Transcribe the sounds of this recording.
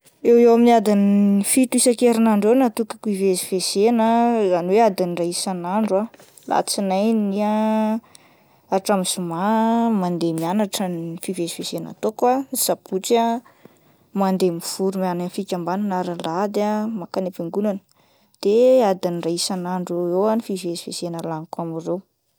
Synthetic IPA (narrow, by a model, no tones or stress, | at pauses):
ewewaminiad̪iniifit̪uisakeɾinaɳɖ͡ʐenat̪ukḁkuivezivez̥enəzaniwead̪iniraisanaɳɖ͡ʐua | lʔa̰t͡sinajnia | aʈ͡ʂamizumamand̪emianaʈ͡ʂənifivezivezena̰t̪okwaz̥aput͡sə | mand̪emiv̥uɾumananfikʲambananaɾalad̪amakanepiŋɡunanə̥ | d̪̥ead̪inraisanaɳɖ͡ʐewanifivezivesenəlanikamirew